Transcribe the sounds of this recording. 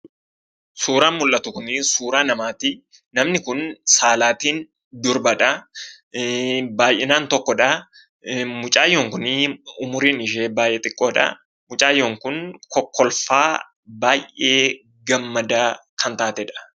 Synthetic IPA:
suːɾaːnmʊlʔɐt̪ʊkʊnɪsuːɾaːnɐmaːt̪ɪ | nɐmnɪkʊnsaːlaːt̪iːn | d̪ʊɾbɐᶑɐ | baːjʔɛnaːnt̪ɔkːɔᶑɐ | mʊt͡ʃʼaːjoːŋkʊnɪʊmʊɾiːnɪʃ̬eːbaːjʔɛt̪ʼɪkʼːoːᶑɐ̰ | mʊt͡ʃʼaːjːoŋkʊnkɔkːɔlfaː | baːjʔʔeː | ɡɐmːɐd̪akʰɐnt̪aːt̪ɛᶑɐ̥

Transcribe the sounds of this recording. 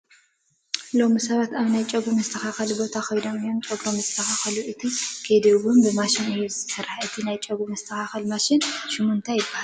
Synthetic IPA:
lo̞misɐβat̪aβnajt͡ʃʼɐɡumɐst̪ʰɐxaxɐlbo̞t̪ʰakʰojno̞mɨjːo̞mt͡ʃʼɐɡɾomɐzt̪ʰɐxaxɐluʔɨt̪ʰikʰed̪iwunbɨmaʃɪnɨjːuzɨt̪ʰɐ̥sɐɾaħɨt̪ʰinajt͡ʃʼɐɡumɐst̪ʰɐxaxɐlmaʃɪnʃɪmont̪ʰajɪbːahal

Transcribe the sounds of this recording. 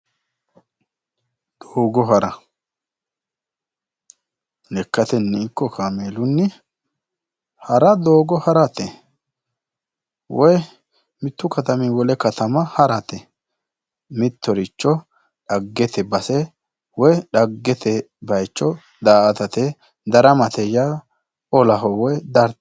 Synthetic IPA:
d̪̥oːɡɔɦɐɾɐ | nɛkːɐt̪ɛnːiːkːɔkʰaːmeːlʊnːɪ | hɐɾɐd̪oːɡɔhɐɾɐt̪ɛ | wɔj | mɪt̪ːʊkɐt̪ɐmiwɔlɛkɐt̪ɐmɐhɐɾɐt̪ɛ | mɪt̪ːɔɾɪt͡ʃːɔ | ᶑɐɡːɛt̪ɛbɐsɛ | wɔjɗɐɡːɛt̪ʰɛ | bɐjt͡ʃːɔ | d̪aːʔɐt̪ɐt̪ɛ | d̪ɐɾɐmɐt̪ɛjaː | ɔlɐɦɔwɔjd̪ɐɾ

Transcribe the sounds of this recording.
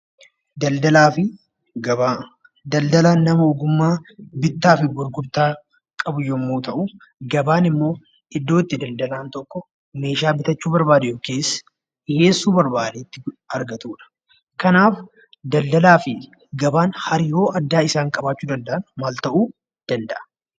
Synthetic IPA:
d̪ɐld̪ɐlaːfɪ | ɡɐa | d̪ɐld̪ɐlaːnːɐmɐɔɡʊmːaːbɪt̪ːaːfɪbʊɾɡʊbt̪aː | kʼɐbʊjɔmːoːt̪ɐʔʊ | ɡɐbaːnɪmːo̞ː | ɪd̪ːoːt̪ːɪd̪ɐld̪ɐlaːnt̪ɔkːɔ | me̞ːʃaːbɪt̪ɐt͡ʃːuːbɐɾbaːd̪ɛjoːkeːsː | ɪheːsːuːbɐɾbaːd̪eːt̪ːɪɐɾɡɐt̪uːᶑɐ̥ | kɐnaːf | d̪ɐld̪ɐlaːfɪ | ɡɐbaːnhɐɾjo̞ːʔɐd̪ːaːɪsaːŋkʼɐbaːt͡ʃːuːd̪ɐld̪ɐʔɐnmaːlt̪ɐʔuː | d̪̥ɐnd̪ɐʔɐ̥

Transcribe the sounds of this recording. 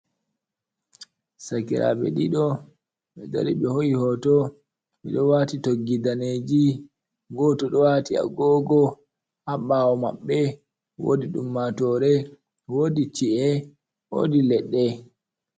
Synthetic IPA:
sakiɾa̰ɓɛ̰ɗiɗɔ | ɓɛda̰ɾiɓɛhojihɔtɔ | ɓɛɗɔwatitoɡːidaned͡ʒi | ɡɔtɔɗɔwatia̰ɡɔːɡɔ | haɓawɔma̰ɓːɛ | wo̰diɗṵmːatɔɾɛ | wodit͡ʃiʔɛ | wo̰dilɛɗːɛ

